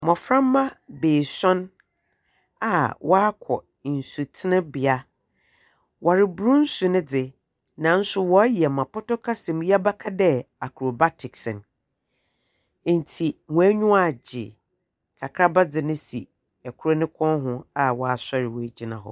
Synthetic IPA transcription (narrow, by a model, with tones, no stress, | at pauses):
mɔ̃˨fɾã˦m˦mã˦beː˨sɔ̃˦n | a̰˨wʔɔ˦a˦kʰɔ˨ | n̩˨su˨tʰɪ˦nɪ̃˦bɪ˨a˦ | wʔa˨ɾɪ˨bu˨ɾũ˦n̩˦su˨nɪ̃˦d͡zɪ˨ | nã˨n̩˦sʊ˦wɔ˦ji˨ɛ˨mã˨pʊ˦tɔ˦kʰa˦sɪ̃˨m˦ji˦a˦ba˦kʰa˦dɛ˦a˨kʰɾo˨ba˦tʰɪ˨ksɪ̃˨n˦˨ | n̩˨tʰi˨mʊ̃˨æ˦ɲʊ̃˦a˦˨d͡ʑɪ̰˨ | kʰa˨kʰɾa˦ba˦d͡zɪ˨nɪ̃˦si˨ | ɛ˨kʰʊ˦ɾo˦nɪ̃˦kʰɔ̃˦nɦʊ̃˦a˨wɔ˨a˨sa˦ɾɪ˨wɔ˨æ˨d͡ʑi˦nã˨ɦɔ̰˨